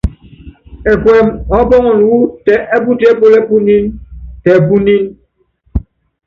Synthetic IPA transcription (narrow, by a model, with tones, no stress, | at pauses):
ɛ˨kwɛ˨mɔ˨˦bɔ˦ŋɔ˨n˨wu˦tɛ˨ʔɛ˦bu˦ti˦ɛ˦po˦lɛ˦bu˦ni˦ntɛ˨bu˦ni˦n